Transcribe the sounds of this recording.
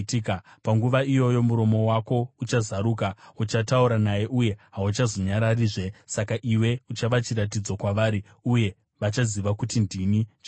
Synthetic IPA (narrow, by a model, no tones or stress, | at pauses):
tikapaŋɡuʋaijo̞jo̞muɾo̞mo̞wako̞ut͡ʃazaɾuːkaut͡ʃatauɾanaje̞ʔuje̞ɦaut͡ʃazo̞ɲaɾariːʐe̞sakaʔiwe̞ut͡ʃaʋat͡ʃiɾat̬id͡zokwaʋaɾi | uje̞ | ʋat͡ʃaziʋakutindinit͡ʃa